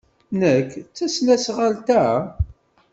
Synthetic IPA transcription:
nəkːt͡sːæslæsʁalt̪æ

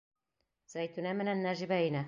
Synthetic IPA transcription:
z̥æjt̪unæmɘ̆nænːæʒĭβæinæ

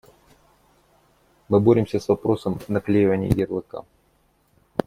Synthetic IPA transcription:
mɨboɾʲɪmsʲəsvɐpɾo̞səmnɐklʲejɪvənʲɪ̰j̰jʲɪrlˠɨka̰

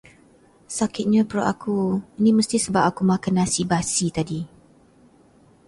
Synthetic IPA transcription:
sakɪt̪̚ɲapəɾo̰ʔakuinĩməst̪isəbap̚akumãkanasibasit̪adi

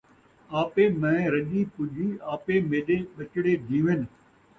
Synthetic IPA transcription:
aːpeːmɛ̃ːɾɐʄiːpʊʄiaːpemeːɗeɓɐt͡ʃɪɽed̪ʱĩːʋen

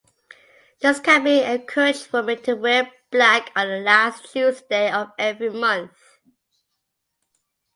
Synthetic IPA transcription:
d͡ʒʌskʰãmĩəkʰot͡ʃfɔmitʰəwɛb̥lækʰɔ̃nðəlastʰuzdeɪɔvɛvɹimʌ̃nθ

